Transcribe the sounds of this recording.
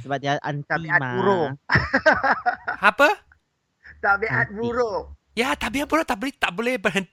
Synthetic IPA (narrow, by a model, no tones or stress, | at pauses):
səbap̚diaʔant̪aibiamauɾo | apə | t̪abeʔat̪̚buɾo | jat̪abianbuɾot̪aʔblet̪aʔbolɛhbərɦənt̪